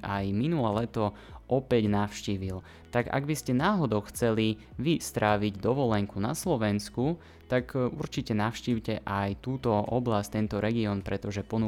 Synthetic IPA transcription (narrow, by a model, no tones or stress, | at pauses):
ajminulɛːlɛt̪ɔʔɔpɛɟnaʊʃciːʋil | t̪aɡa̰ɡbiscɛnaːɦɔd̪ɔʊxt͡sɛliʋist̪ɾaːʋiɟd̪ɔʋɔlɛŋkunaslɔʋɛnsku | t̪akṵɾt͡ʃicɛnaʊʃciːʊcɛʔajt̪uːt̪ɔʔɔblasct̪ɛnt̪ɔɾɛɡiɔnpɾɛt̪ɔʒɛpɔnu